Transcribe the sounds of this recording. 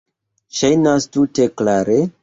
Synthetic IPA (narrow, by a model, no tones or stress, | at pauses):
ʃajnastuteklaɾe